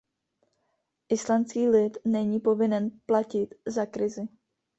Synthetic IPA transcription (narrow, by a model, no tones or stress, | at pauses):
ʔɪslant͡skiːlɪt̪nɛɲiːpo̞vɪnɛnplacɪt̪zakɾɪzɪ